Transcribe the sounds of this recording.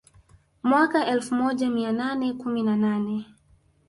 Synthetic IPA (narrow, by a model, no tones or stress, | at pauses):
mwakaʔɛlfumɔʄamiananɛkuminananɛ